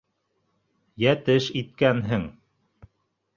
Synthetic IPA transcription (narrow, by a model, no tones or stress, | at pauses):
jæt̪ɘʃit̪̚kænɦɘŋ